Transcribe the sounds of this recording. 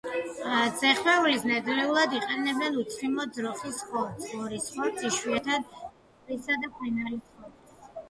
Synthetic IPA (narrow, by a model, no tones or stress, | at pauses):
d̪z̥ɛχwɛulisnad̪lɛulˠad̪iqʼɛnɛbɛnut̪sʰχimɔd̪zɾɔχisχɔɾsʰɔɾisχɔɾt̪sʰiʃwiɛt̪ʰad̪̚ʼ | ɾisad̪akʰwɛnaɾisχɔɾ